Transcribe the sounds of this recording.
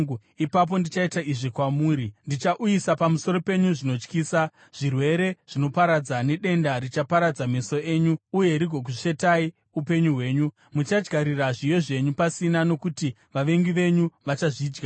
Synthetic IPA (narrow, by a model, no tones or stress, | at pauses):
ipap̬o̞ndit͡ʃaitaiʐikwamuːɾindit͡ʃaʔujisapamuso̞ɾo̞pe̞ɲuʐino̞t͡ʃkiːsa | ʐ̥irwe̞ɾe̞ʐ̥ino̞paɾad͡zane̞ɗe̞ndarit͡ʃapaɾad͡zame̞so̞e̞ɲuuje̞ɾiɡʱo̞k̬uʂe̞tai | upe̞ɲuɦwe̞ːɲu | mut͡ʃad͡ʒɡʱaɾiraʐijo̞ʐe̞ɲupasinano̞kuti | ʋaʋe̞ŋɡiʋe̞ɲuʋat͡ʃaʐiːd͡ʒɡa